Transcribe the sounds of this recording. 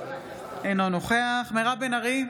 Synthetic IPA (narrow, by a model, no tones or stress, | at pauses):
enonoχeaχmeʁabenaʁi